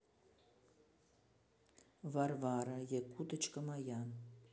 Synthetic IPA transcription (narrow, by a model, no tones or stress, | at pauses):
varvaɾajekut̪ət͡ʃkəmajan